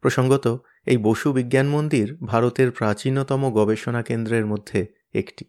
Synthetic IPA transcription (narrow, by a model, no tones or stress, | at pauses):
pɾoʃoŋɡot̪o | ejboʃubiɡjanmond̪iɾbʱaɾot̪eɾpɾat͡ɕinot̪ɔmoɡɔbeʃonakend̪ɾeɾmod̪ʱːe | ḛkʈi̥